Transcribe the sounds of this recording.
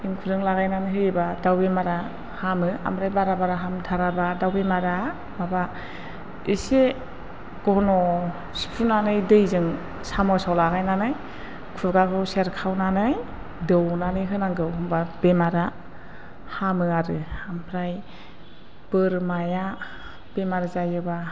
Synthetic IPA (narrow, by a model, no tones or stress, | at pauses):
iŋkʰudɯŋlaɣajnanɯɦɯɾibadawbemaɾa | hamɯa̰mpɾajbaɾabaɾaɦamdʰʱaɾabadawbemaɾa | maba | ise | ɡ̥ɔnɔ | si̥pʰunanɯjdɯjzɯŋ | samɔsawlaɡajnanɯj | kʰulɡakʰɯseɾkʰawnanɯj | dɯwnanɯjɦɯnaŋɡɯwhɯmbab̥emaɾa | hamɯaɾɯampʰɾaj | b̥ɯɾmaja | b̥emaɾazajɯba